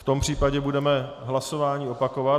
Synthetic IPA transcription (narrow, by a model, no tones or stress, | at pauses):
ft̪o̞mpr̝̥iːpaɟɛbudɛmɛ | ɦlaso̞vaːɲiːopakova